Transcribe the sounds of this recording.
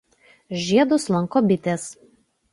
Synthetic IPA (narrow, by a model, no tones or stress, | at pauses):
ʒʲiɛd̪ʊslˠɐŋkoːbʲɪt̪ʲeːs